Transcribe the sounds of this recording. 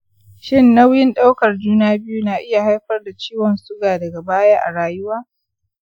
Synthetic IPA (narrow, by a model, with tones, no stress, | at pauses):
ʃɪ˦nːa˦wjɪ˦nɗa˦wkɐ˨rd͡ʒuː˦naː˦bɪ˦ju˦naː˨ʔɪ˦ja˨ha˦jɸɐ˦rda˨t͡ʃiː˦wɔ˨nsʊ˦ɡaː˨dɐ˨ɡa˨baː˦jaː˦ʔa̰˨ɽaː˨jʊ˦waː˦